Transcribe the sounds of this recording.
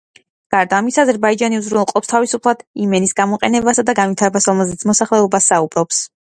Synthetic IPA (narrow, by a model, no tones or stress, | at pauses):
ɡ̥aɾd̪aːmisazɛɾbaid͡ʒaniuzɾunɛlˠqʼɔpst̪ʰavisupʰlˠad̪̥imɛnisɡamɔqʼɛnɛbasad̪aɡanvit̪ʰaɾɛbasɾɔmɛlˠzɛt̪sʰmɔsaχlɛɔbasːaubɾɔps